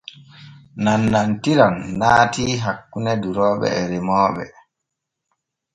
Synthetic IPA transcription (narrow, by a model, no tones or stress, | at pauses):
nanːantiɾanːaːtiːɦakːunɛduɾɔːɓɛ̰ɛɾɛmɔːɓɛ̰